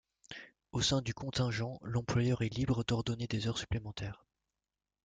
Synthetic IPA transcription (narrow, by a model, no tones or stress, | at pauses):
osɛ̃d̪ykɔ̃t̪ɛ̃ʒɑ̃lɑ̃plwajœʁɛlibʁəd̪ɔʁd̪ɔned̪ezœʁsy̥plemɑ̃t̪ʰɛːʁ